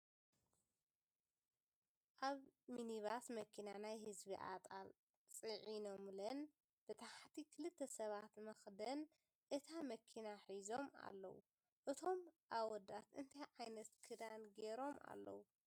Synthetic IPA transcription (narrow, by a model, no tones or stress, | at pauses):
ʔaβminiβasmɐkʰinanajhɨzbiʔa̰t̪ʼal | t͡sʼɨʕinomlɐn | b̥ɨt̪ʰaħt̪ʰikʰɨlɨt̪ʰːɐsɐβat̪mɐxd̪ɐn | ʔɨt̪ʰamɐkʰinaħizo̞ma̰lːɐ̰wṵ | ʔɨt̪ʰo̞mʔawɔd̪at̪ɨnt̪ʰajʕajnɐt̪kʰɨd̪anɡeɾo̞mʔa̰lːɐ̰wu